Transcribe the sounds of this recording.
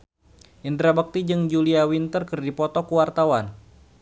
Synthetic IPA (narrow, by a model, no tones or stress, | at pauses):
ʔindɾabək̚t̪id͡ʒɨŋd͡ʒuliawint̪ərkərdipɔt̪ɔkuwart̪awan